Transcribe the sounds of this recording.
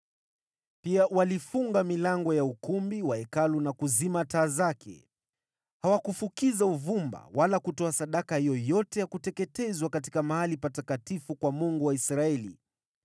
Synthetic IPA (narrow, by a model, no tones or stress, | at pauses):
piawalifuŋɡamilaŋɡɔjaukumbiwaɛkalunakuzimataːzakʰɛ̰ | hawakufukizauvumba̰walakutɔasaɗakahijɔjɔtɛjakutɛkɛtɛzwakati̥kamahalipatakatifukwamuŋɡuwaisɾaɛlḭ